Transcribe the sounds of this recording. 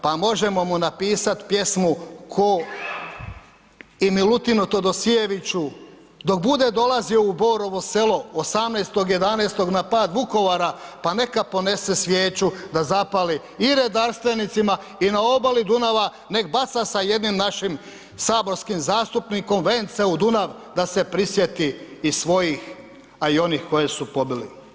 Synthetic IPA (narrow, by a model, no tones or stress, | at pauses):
pamo̞ʒemo̞munapiːsat̪pje̞smukʰo | imilut̪inut̪o̞d̪o̞sie̞ʋit͡ɕu | d̪o̞k̚bud̪e̞d̪o̞lazioubo̞ːɾo̞ʋo̞se̞lo̞osamneːst̪o̞ɡje̞d̪aneːst̪o̞ɡnapaːd̪ʋuko̞ʋaɾapane̞kapo̞ne̞sesʋjeːt͡ɕud̪azapali | iɾe̞d̪aɾst̪ʋe̞nit̪sima | inao̞balid̪unaʋa | ne̞kbat̪sasaje̞d̪nimnaʃim | saːbo̞ɾskimzaːst̪upniko̞mʋeːnt̪seud̪unaʋ | d̪ase̞pɾisje̞t̪iːsʋo̞jix | aio̞nixko̞jesupo̞bilḭ